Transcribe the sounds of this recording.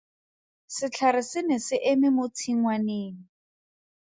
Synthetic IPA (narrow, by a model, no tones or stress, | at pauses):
sɪt͡ɬʰaɾɪsɪnɪsɪʔemɪmot͡sʰiŋ̩waneːni